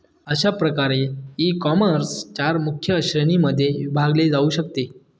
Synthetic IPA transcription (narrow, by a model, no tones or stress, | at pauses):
əɕapɾəkaɾeikɔməɾst͡ɕaɾmukʰjəːɕɾəniməd̪ʱːjebʱaɡled͡zauɕəkt̪e